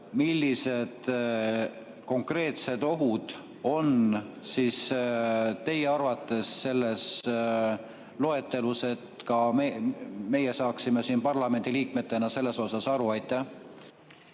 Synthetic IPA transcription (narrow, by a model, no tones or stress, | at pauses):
milːise̞d̪̥ | ko̞ŋkre̞ːt̪se̞d̪o̞ɦud̪̥ | o̞nsiːs | t̪e̞jeɑrvɑt̪ːˑe̞sːe̞lːe̞s | lo̞e̞t̪ːˑe̞luse̞t̪kɑeme̞je̞sɑːksime̞siːnpɑrlɑme̞nd̪̥iliːkme̞t̪ːˑe̞nɑse̞lːe̞so̞sɑsɑɾuɑjt̪ːˑæh